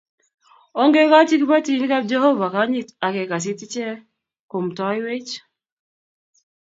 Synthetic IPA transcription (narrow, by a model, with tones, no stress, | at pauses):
ɔ˦ŋɡe˦ka˦ti˦kba˦ti˨˦n˦ka˦d͡ʒɛ˦ho˦va˨ka˦ɲi˦ta˨kɛ˨ka˨s̬ɪ˦ti˦t͡ʃɛ˦ | ko˨mtɔ˦jwe˦t͡ʃ